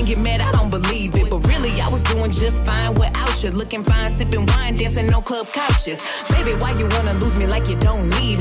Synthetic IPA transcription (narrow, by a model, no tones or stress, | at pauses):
ŋɡɨt̚mɛɾaɪɾõʊ̃n̚b̥əlivɨt̚b̥ʌt̚ɹɪlˠiaɪwʌzduɪ̃ŋd͡ʒʌstfãɪ̃nwəʔaʊt͡ʃɨdlʊkɪ̃ŋfãɪ̃nslɪpɪ̃ŋwãɪ̃ndɛ̃sɨ̃nːoʊkʰl̥ʌb̥̚kʰaʊt͡ʃɨz̥ | meɪbiwaɪjɨwɑnəluzmilaɪkjɨdõʊ̃nnid